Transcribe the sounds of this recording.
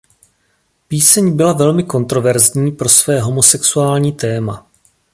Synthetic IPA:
piːsɛɲbɪlavɛlmɪko̞nt̪ɾovɛɾzɲiːpɾo̞svɛːɦo̞mo̞sɛksuaːlɲiːt̪ɛːma

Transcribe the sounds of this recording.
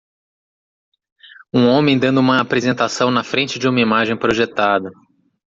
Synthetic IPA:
ũõmẽj̃d̪ɐ̃nd̪ʊũmɐːpɾezẽnt̪asɐ̃w̃nɐfɾẽnt͡ʃɪd͡ʒɪũmɐimaʒẽj̃pɾoʒet̪ad̪ɐ

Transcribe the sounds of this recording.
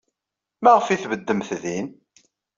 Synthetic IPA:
mæʁəfiθvəd̪ːəmθðin

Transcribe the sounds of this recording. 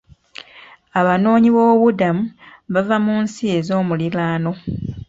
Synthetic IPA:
aβano̞ːɲiβo̞ːβudamuβavamuːnsie̞zo̞ːmulilaːno̞

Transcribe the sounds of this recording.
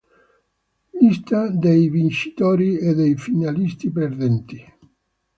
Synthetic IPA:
list̪ad̪ejvint͡ʃi̥t̪ɔːɾied̪ejfinalist̪iperd̪ɛnt̪i

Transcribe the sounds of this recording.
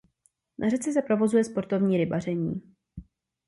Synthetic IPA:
nʔarɛt͡sɛs̬ɛpɾo̞vo̞zujɛspo̞ɾt̪o̞vɲiːɾɪbar̝ɛɲiː

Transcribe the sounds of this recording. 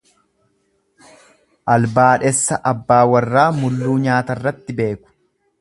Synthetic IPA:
ʔɐlbaːᶑɛsːɐʔɐbːaːwɐrːaːmʊlːuːɲaːt̪ɐrːɐt̪ːɪbe̞ːkʊ̥

